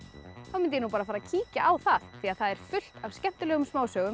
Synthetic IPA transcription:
θawmɪnt̪ɪjɛnupaːɾafaːɾacʰiːcaʔawθaðθiaðθaðɛɾ̥fʏl̥t̪avscɛn̥t̪ʏlɛːɣʏmsmaːwsœːɣʏ

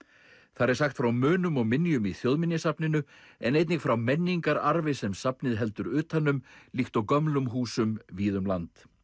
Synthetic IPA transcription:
θaðɾɛɾsaxt̪fɾawmʏːnʏmɔɣmɪnjʏmiθjowðmɪnjɪsapnɪnʏ | ɛ̰nejt̪nɪxfɾawmɛnːiŋkaɾaɾvɪsɛmsapnɪðɦɛl̪t̪ʏɾʏːt̪hanːʏmlixt̪awkœmlʏmɦuːsʏmviːðʏmlant̪

